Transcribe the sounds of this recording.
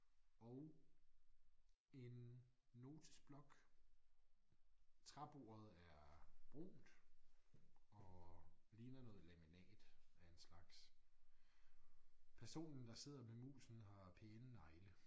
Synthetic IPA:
ɒʊ | e̝nː | o̝ːt͡sʰi̥sb̥lɒ̽ɡ̥ | t͡sʰʁɑb̥o̝̰ːɐð̞̩ˠæɐb̥ʁo̰ːd̥ | ɒ̽liːnɐnɔ̽ːð̩ˠlæminɛ̰ːd̥æe̝nslɑ̈ɡ̥s | pʰæɐso̝̰ːnn̩d̥ɑ̈se̝ð̞̰ˠɐmemṵːsn̩hɑ̈pʰeːnənɑ̈ɪlə

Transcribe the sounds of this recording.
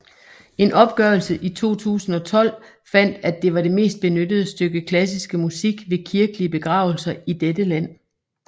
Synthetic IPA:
e̝nʔɒ̽b̥ɡ̥ɶːɐlsəʔit͡sʰo̝̰ːt͡sʰṵːsn̩ɒ̽t͡sʰɒ̽l̰ | fæn̰d̥æd̥e̝ʋɑ̈ɾe̝me̝̰ːsd̥̚b̥e̝nød̥əð̩ˠəsd̥øɡ̥əkʰlæsisɡ̥əmusiɡ̥ʋe̝kʰiɐɡ̥əliəb̥e̝ɡ̥ʁɑ̈ʊl̩sɐid̥ed̥əlæn̰

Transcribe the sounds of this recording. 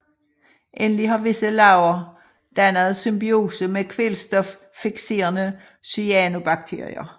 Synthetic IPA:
ʔenəlihɑ̈ʋe̝səlɑ̈ʊɐ | d̥ænəð̞̩ˠsymb̥io̝̰ːsəmekʰʋelsd̥ɒf | fiɡ̥se̝̰ːɐnə | syæno̝b̥ɑ̈ɡ̥t͡sʰe̝ɐ̰ʁḭɐ

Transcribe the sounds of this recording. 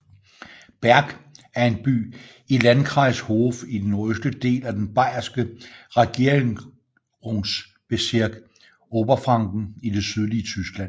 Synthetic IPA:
b̥æɐɡ̥æɐe̝nb̥y̰ː | ilænkʰʁɑ̈ɪ̰sho̝fid̥enøsd̥əd̥e̝̰ːlæd̥enb̥ɑ̈ɪ̰ɐsɡ̥əʁɑɡ̥iɐeŋ | ʁoŋs | b̥e̝siɐɡ̥ | ɔːb̥ɐfʁɑ̈ŋ̰ɡ̥n̩id̥e̝syð̞ˠliət͡sʰysɡ̥læn̰

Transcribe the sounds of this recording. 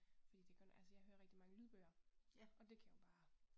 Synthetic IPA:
fd̥ḭːd̥ekʰɔnælsəjɑ̈ɪɦøːɐʁɛɡ̥̚d̥imɑ̈ŋəlyːð̞ˠb̥øːɐʔɒ̽d̥e̝kʰæjʊb̥ɑ̈ː

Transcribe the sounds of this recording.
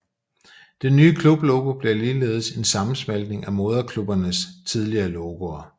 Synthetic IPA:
d̥enːyːəkʰlub̥loʊɡ̥o̝b̥le̝ɐliːle̝̰ːð̞̩ˠse̝nsɑ̈mn̩smæld̥ne̝ŋæmo̝ð̞ˠɐkʰlub̥ɐnəst͡sʰið̞ˠliɐːloɡ̥o̝ɐ

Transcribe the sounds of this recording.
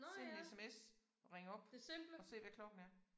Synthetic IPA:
ne̝̰esemes | ʁeŋəɒ̽b̥d̥esemb̥lɒ̽se̝̰ːʋækʰlɒ̽ɡ̥n̩æɐ

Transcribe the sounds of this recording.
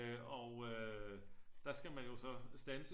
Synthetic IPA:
ɒø | d̥ɑ̈sɡ̥æmænjo̝sɒ̽sd̥ænsə

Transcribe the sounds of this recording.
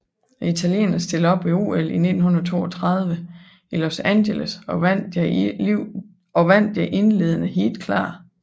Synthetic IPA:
it͡sʰælje̝̰ːnɐsd̥e̝ləɒ̽b̥ʋiṵːeline̝d̥n̩hunɐðˠt͡sʰo̝̰ːɒt͡sʰʁɑ̈ð̞ˠʋə | ilosænɕeləsɒn̰d̥j | ɒ̽ʋæn̰d̥jɑɪʔe̝nle̝ðˠənəɦe̝̰ːld̥kʰlɑ̰̈ː

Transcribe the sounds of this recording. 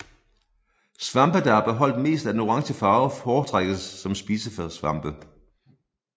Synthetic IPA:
sʋɑ̈mb̥əd̥ɑæɐb̥e̝ɦɒ̽l̰d̥me̝̰ːsd̥ænuʁɑ̈ŋsəfɑ̈ːʊfɒːt͡sʰʁaɡ̥ð̩ˠsːɒ̽msb̥iːsəfsʋɑ̈m̰b̥ə

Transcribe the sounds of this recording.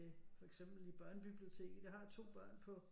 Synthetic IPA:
efɒ̽eɡ̥sem̰b̥l̩ib̥ɶɐ̰nəb̥ib̥lio̝t͡sʰe̝̰ːɡ̥̩d̥ɑhɑ̈t͡sʰo̝̰ːb̥ɶɐ̰npʰɒ̽

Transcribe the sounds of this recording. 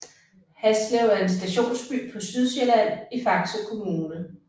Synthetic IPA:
hæsleʊæɐe̝nsd̥æɕo̝̰ːnsb̥y̰ːpʰɒ̽syð̞ˠɕelæn̰ifɑ̈ɡ̥t͡sʰokʰo̝muːnə

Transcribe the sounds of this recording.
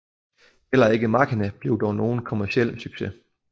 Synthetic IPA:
el̰ɐe̝ɡ̥əmɑ̈kʰinæb̥le̝ʊd̥ɒʊno̝ːn̩kʰo̝mæɐsiel̰əsyɡ̥se

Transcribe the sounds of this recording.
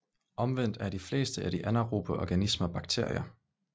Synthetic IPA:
ʔɒ̽mʋen̰d̥æɐɾifle̝ːsd̥əʔæɾ̥iʔænɐʁub̥əʔɒɡ̥ænisməɒb̥ɑ̈ɡ̥̚t͡sʰe̝ɐ̰jɐ

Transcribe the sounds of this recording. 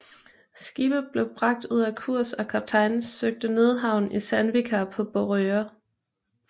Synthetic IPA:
sɡ̥ib̥ðˠb̥le̝ʊb̥ʁɑ̈ɡ̥̚d̥uð̰ˠækʰuɐ̰sɒ̽kʰæb̥̚t͡sʰɑ̈ɪnsøɡ̥̚d̥əne̝ð̞ˠɦɑ̈ʊn̩isænʋikʰæpʰɒ̽b̥oʁøɐ

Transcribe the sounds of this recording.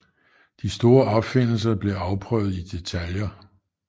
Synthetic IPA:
d̥isd̥o̝ːɐɒ̽b̥fe̝n̰l̩s̬ɐb̥le̝ɑ̈ʊpʰʁœʊð̞̩ˠid̥e̝t͡sʰæljɐ

